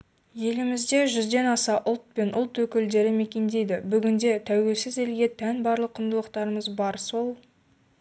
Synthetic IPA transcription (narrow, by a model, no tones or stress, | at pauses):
je̞lɪmɪzd̪e̞ʒʏzd̪e̞nɑsɑʔʊlˠt̪̚pe̞nʔʊlˠt̪wɵkʲɪld̪e̞ɾɪme̞kʲe̞nd̪e̞jd̪ɪbʏɡʲɪnd̪e̞t̪ʰæwe̞lsɪze̞lɡʲe̞t̪ʰænbɑɾlˠəqʰːʊnd̪əlˠəqt̪ɑɾəməzbɑɾso̞lˠ